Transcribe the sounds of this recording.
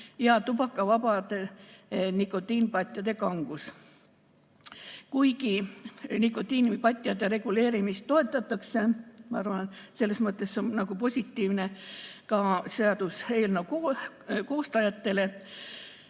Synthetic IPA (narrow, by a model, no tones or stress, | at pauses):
jɑt̪ubɑkːˑɑvɑbɑd̪̥enikːˑo̞t̪ːˑiːnpɑt̪ʲːˑjɑd̪e̞kɑŋɡ̥us | kujɡinikːˑo̞t̪ːˑiːnpɑt̪ʲːˑjɑd̪eɾe̞ɡ̥ule̞ːɾimist̪ːo̞e̞t̪ːˑɑt̪ːˑɑkse̞mɑɑɾvɑnse̞lːe̞smɤt̪ˑːe̞so̞nnɑɡ̥upo̞sʲit̪ːiːvne̞kɑseɑd̪̥ushe̞ːlnoko | ko̞ːst̪ɑjɑt̪ːe̞le̞